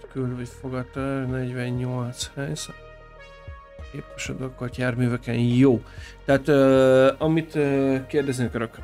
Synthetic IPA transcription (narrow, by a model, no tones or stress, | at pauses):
kylvet̪foɡɒt̪nɛɟvɛɲɲolt̪shɛjzɛt̪ | keːpɛʃod̪okot̪jaːrmyːvɛkɛnjoːt̪aat̪øɒmit̪økeːrd̪ɛznikøɾøkr